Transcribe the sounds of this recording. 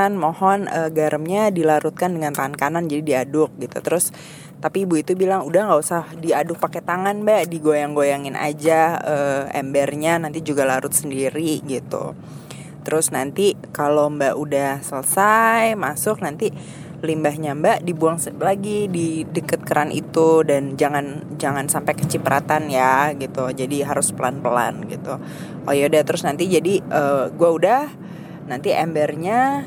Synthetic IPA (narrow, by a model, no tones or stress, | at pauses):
nmohɔnəɡaɾʔəmɲadilaɾut̪̚kandəŋant̪aŋankanand͡ʒadidiadʊk̚ɡit̪ṵt̪əɾʊs | t̪apibuit̪ubilaŋudahŋɡausahdiadʊk̚pakɛt̪aŋanbaʔdiɡojaŋɡojaŋɪnʔa̰d͡ʒaəːɛ̰mbɛrɲanant̪id͡ʒuɡalaɾʊt̪̚səndiɾiɡit̪ṵ | t̪əɾʊsnant̪ikalombaʔudahsələsajmasʊk̚nant̪i | limbaɦɲambadibuaŋslaɡididəkət̪̚kəɾʔanʔḭt̪udand͡ʒaŋand͡ʒaŋansampajkət͡ʃipəɾʔat̪anjaɡit̪ud͡ʒadiɦaɾʊspəlanpəla̰nɡḭt̪u | ʔojodat̪əɾʊsnant̪id͡ʒadiʔəɡuaudah | nant̪iʔɛmbɛrɲa